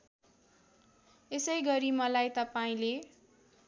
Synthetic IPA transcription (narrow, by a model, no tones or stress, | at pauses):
esʌjɡʌɾimʌlajt̪ʌpaĩle